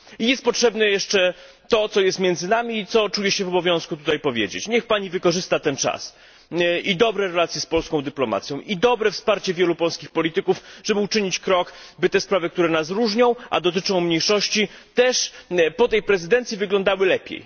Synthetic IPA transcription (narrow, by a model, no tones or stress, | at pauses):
ijɛst̪̚pɔtʂɛbnɛjɛʂt͡ʂɛ | t̪ɔt̪sɔjɛst̪mʲjɛnd̪zɘnamʲiːt̪sɔt͡ʂujɛɕɛvɔbɔvʲjɔ̃w̃skut̪ut̪ajpɔvʲjḛd͡ʑḛt͡ɕɲɛxpaɲivɘkɔʐɘst̪at̪ɛnt͡ʂa̰s | id̪ɔbɾɛɾɛlat̪sjɛspɔlskɔ̃w̃d̪ɘplɔma̰t̪sʲjɔ̃w̃ʔid̪ɔbɾɛfspaɾt͡ɕɛvʲjɛlupɔlskʲixpɔlʲit̪ɘkufʐɛbɘut͡ʂɘɲit͡ɕkɾɔkbɘt̪ɛspɾavɘk̚t̪uɾɛnas̬ɾuʐɲɔ̃w̃ʔa̰d̪ɔt̪̬ɘt͡ʂɔ̃w̃mɲejʂɔɕt͡ɕit̪ɛʂpɔt̪ɛjpɾɛzɘd̪ɛnt̪sʲjivɘɡlɔ̃nd̪awɘlɛpʲjḛj